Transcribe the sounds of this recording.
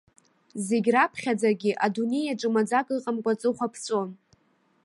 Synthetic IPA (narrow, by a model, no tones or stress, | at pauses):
ze̞ɡʲrapʰχʲad͡zaɡʲɪʔadune̞jaʈ͡ʂʼɨmad͡zakʼɨqʼamkʷʼat͡sʼɨχʷapʰt͡sʷʼo̞n